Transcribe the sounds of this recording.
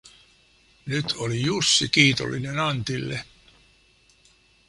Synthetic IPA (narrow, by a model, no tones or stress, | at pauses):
nyt̪ʰo̞lijusːikiːt̪o̰lːinenɑnt̪ilːe